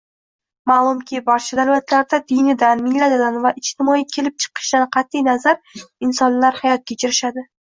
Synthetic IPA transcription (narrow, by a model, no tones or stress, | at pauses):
malˠʊmkʲʰɪbaɾt͡ʃʰad̪avat̪ʰlaɾd̪ad̪ɪjnɪd̪anmɪŋlad̪ɪd̪anvaʔɪt͡ʃt̪ʰɪmɒikʲʰe̞lɪp̚t͡ʃʰɨ̥qʰɨ̥ʃd̪anqʰɑt̪ʰːijnazaɾɪnsɒnlaɾhajɒt̪̚kʲʰet͡ʃʰɪɾɪʃad̪ɪ